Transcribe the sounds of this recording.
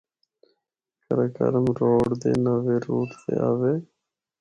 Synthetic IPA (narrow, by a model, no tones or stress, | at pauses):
kəɾəkə̰ɾəmɾoːɖd̪ḛːnəʋeːɾuːt̪sḛːaːʋeː